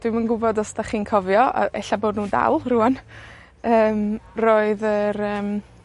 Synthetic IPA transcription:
d̥wɪmənɡʊbɔdɔstaχiːnkʰɔvjɔa̰ɛ̰ɬaboːdnuːda̰lˠruan | əːmroːɨðəɾəːm

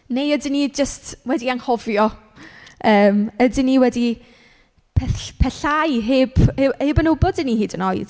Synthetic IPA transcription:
nejədɪnid͡ʒəstwɛdiaŋhɔvjɔ | əːmədɪniwɛdi | pʰɛθpʰɛɬajɦɪːbheːbənʊbɔdɪnihiːdənojð̥

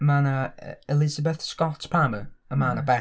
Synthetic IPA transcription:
mana̰ɛlˠɪzabɛθskɔtʰpʰaməəmanabɛ

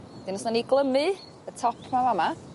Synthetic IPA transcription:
d̥ɪnɔsnaniɡlˠəmɨ | ðətʰɔpʰmamama

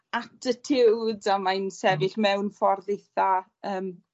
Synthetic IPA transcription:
atʰətʰɪwdamajnsɛvɪɬmɛwnfɔrðejθaəːm

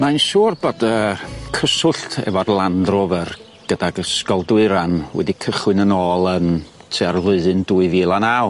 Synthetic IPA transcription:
manʃuːrbodəkʰəsʊɬtʰɛ̰varlˠandrʊvər | ɡ̥ədaɡəskɔlˠdwɪɨɾanwɛ̰dikʰəχwɨnənoːlˠən | tʰearvlˠʊɨðɨnduːɨviːlˠanaw

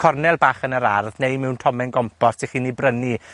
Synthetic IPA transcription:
kʰɔrnɛlˠbaːχənəɾarðnejmɪwntʰɔmɛnɡɔmpʰɔssʰeχiːnːibrəni

